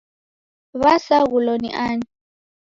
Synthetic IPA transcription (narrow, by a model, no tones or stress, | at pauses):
βasaɣulɔnḭʔaɲi